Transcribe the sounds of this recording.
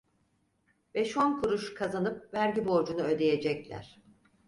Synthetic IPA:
bɛʃonkʰuɾuʃkʰazanɯp̚væɾɟibo̞ɾd͡ʒunuø̞d̪e̞je̞d͡ʒɛclʲæ̰ɾ̥

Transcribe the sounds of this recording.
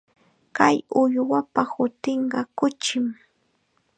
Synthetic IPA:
kajʊjwapahʊt̪ɪɴɢɑkʊt͡ʃɪm

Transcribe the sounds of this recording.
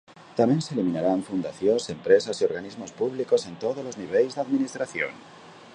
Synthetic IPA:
t̪amjenselimĩnaɾaɱfund̪aθjonse̞mpɾe̞sasio̞ɾɣanizmo̞spuβliko̞se̞nt̪oð̞ozlo̞zniβ̞elzðaðminist̪ɾaθjo̰n

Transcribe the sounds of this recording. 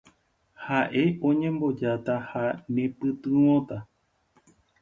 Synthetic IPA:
haʔe̞ʔõ̞ɲẽmbo̞d͡ʒat̪ahanẽpɨt̪ɨ̃wõt̪a

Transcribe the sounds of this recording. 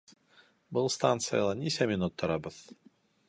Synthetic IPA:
bɨlˠst̪ant̪sɨjalˠɑnʲisʲɛmʲinut̪ʰːɒɾɑbɤð̥

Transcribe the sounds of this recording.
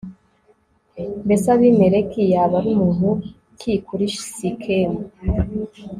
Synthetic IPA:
besaβimeɾekijaβaɾumuːnu | kʰikuɾiʃi̥sikʰemu

